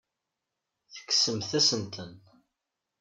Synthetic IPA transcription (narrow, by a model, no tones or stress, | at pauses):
θə̥kːsəmθæsənt̪ʰən